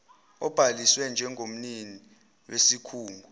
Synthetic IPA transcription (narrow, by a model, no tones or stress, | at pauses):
ɔb̥ʱaliswɛnd͡ʒʱɛŋʱom̩nini | wesikʰuːŋɡʱu